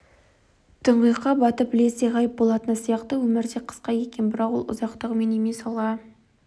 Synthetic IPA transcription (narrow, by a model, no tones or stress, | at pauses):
t̪ʰəɴʁijqːɑbɑt̪əpbɪle̞seʁɑjəp̚bo̞lˠɑt̪ənəsijɑqt̪əwɵmɪɾd̪e̞qʰə̥sqɑje̞kʲe̞nbɪɾɑqwo̞lˠʊ̰zɑqt̪əʁmenemesɑlˠʁɑ